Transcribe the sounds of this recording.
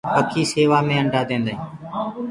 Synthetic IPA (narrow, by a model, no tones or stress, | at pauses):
pəkʰiːseːʋaːmẽːə̃ɳɖʱaːd̪ẽːnd̪aːɦĩː